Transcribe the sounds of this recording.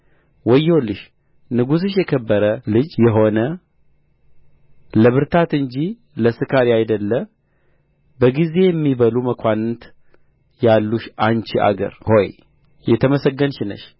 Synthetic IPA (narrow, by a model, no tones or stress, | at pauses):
wɔjolɨʃ | nɨɡus̬ɨʃjɛkʰəbːəɾəlɨd͡ʒjɛɦo̞nə | ləβɨɾt̪ʰat̪ɨɲd͡ʒi | ləsɨkʰaɾiajd̪əlːə | bəɡize̞jɛmːiβəluməkʰʷanɨt̪ | jalːuʃant͡ʃiʔa̰ɡə̰ɾho̞j | jɛt̪ʰəməsəɡːənʃɪnə̰ʃ